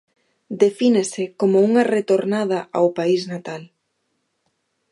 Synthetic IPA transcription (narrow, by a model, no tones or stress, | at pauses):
d̪efinesɪkomouŋɐret̪oɾnað̞ɐʔa̰wpaiznat̪al